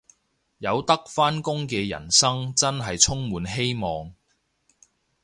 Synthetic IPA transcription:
jɐ˨˧wt̪ɐ˥k̚faː˥nkʊ˥ŋkɛː˧jɐ̰˨˩nsɐ˥ŋt͡sɐ˥nɦɐ˨jt͡sʰʊ˥ŋmuː˨˧nɦe˥jmɔː˨ŋ

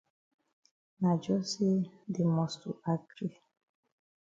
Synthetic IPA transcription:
na˨d͡ʒɔ˦se˦de˨mɔ˨stu˨a˨ɡɾi˦

